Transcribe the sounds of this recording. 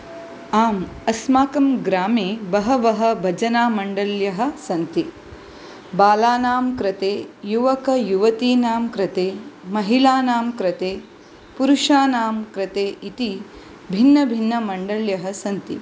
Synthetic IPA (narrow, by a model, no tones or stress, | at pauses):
aːmɐsmaːkɐmɡɾaːmeːbɐɦɐʋɐɦɐ̆bʱɐd͡ʒɐnaːmɐɳɖɐljɐɦɐ̆sɐnt̪i | baːlaːnaːmkɾɐt̪eːjuʋɐkɐjuʋɐt̪iːnaːmkɾɐt̪eːmɐɦilaːnaːmkɾɐt̪eː | puɾuʂaːnaːmkɾɐt̪eːʔit̪i | bʱinːɐbʱinːɐmɐɳɖɐljɐɦɐsɐnt̪ḭ